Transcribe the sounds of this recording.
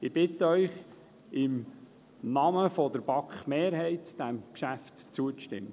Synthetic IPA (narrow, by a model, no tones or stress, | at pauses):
ɪb̥ɪt̪əœʏχ | ɪm | nɑməfɔd̥̪əɾb̥ɑkχmeːɾhɛɪtd̥æmkʃæftt͡suət͡stɪ̰mːə